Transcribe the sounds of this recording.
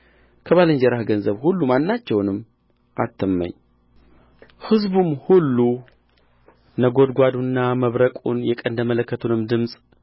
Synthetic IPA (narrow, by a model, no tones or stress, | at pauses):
kʰəβaləɲd͡ʒɛɾahɡənzəβhulːumanːat͡ʃːɛwnɨm | ʔa̰t̪ʰːəmːə̰ɲː | hɨzbumhulːu | nəɡo̞d̪ɡʷad̪unːaməβɾəkʼṵnjɛkʼənd̪əmələkːət̪ʰunɨmd̪ɨmsʼ